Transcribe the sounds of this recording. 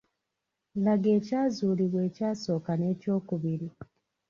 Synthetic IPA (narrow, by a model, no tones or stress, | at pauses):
laɡe̞ːcaːzuːliβwe̞ːcaːso̞ːkane̞ːco̞ːkuβiɾi